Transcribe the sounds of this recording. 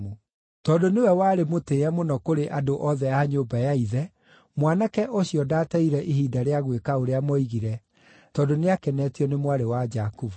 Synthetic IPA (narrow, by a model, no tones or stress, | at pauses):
u | tɔdonewɛwaːɾemoteːɛmonɔkoɾeʔadoʔɔðɛjaɲoːbajaiðɛ | mwanakɛʔoɕiɔdaːtɛiɾɛʔiɦiːdaɾeaɣwekaoɾeamɔiɣiɾɛ | tɔːdoneakɛnɛtiɔnemwaɾewad͡ʒakuvu